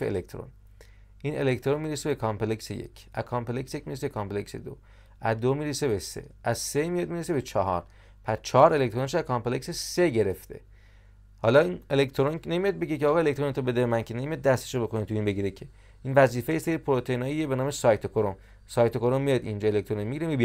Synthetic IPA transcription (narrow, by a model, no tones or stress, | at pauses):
eḛlek̚t̪ɾo̰n | ʔine̞̰lect̪ʰɾonmiːɾesebe̞kʰɒmpeleksḛjḛcʰʔæ̰zkʰɒːmpeleksejecmiɾeseekʰɒmplekse̞̰d̪o̰ | æzd̪omiːɾese̞besḛæzsemijɒd̪miːɾese̞be̞t͡ʃʰɒɦɒ̰ɾ | pʰæst͡ʃʰɒːɾe̞lek̚t̪ʰɾonʃ̬oæzkʰɒmpleksese̞ɟe̞ɾe̞ft̪ʰe̞̰ | hɒːlɒːinelekt̪ʰoɾonnemijɒd̪̚be̞ɟeceɒːɣɒelek̚t̪ɾonet̪ʰobe̞d̪emænkʰenemijɒd̪̚d̪æst̪eʃobe̞konit̪ʰuiːnbeɟiːɾecʰe | iːnvæziːfejeseɾiipʰoɾot̪ʰeiːnɒːjiebe̞nɒːme̞sɒjt̪ʰokʰoɾom | sɒːjt̪ʰokoɾomːijɒd̪ḭnd͡ʒɒːe̞lekct̪ʰoɾonmiɟiɾemib